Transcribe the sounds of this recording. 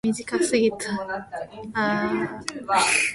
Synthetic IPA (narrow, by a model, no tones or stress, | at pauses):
mʲiʑikasɨɡʲit̪ʰa | a